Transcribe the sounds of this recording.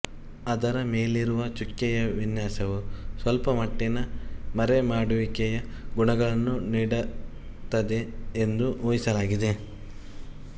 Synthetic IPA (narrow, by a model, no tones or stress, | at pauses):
ɐd̪ɐɾɐme̞ːliɾuʋɐt͡ʃukːɛjɐʋinjaːsɐʋusʋɐlpɐmɐʈːinɐmɐɾemaːɽuʋikɛjɐ | ɡuɳɐɡɐɭɐnːuniːɽɐ | t̪ːɐd̪e̞ːnd̪uuːjisɐlaːɡid̪e̞